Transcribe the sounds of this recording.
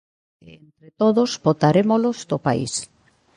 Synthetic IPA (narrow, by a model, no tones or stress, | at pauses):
eent̪ɾet̪oðosbot̪aɾemolozd̪opaḭs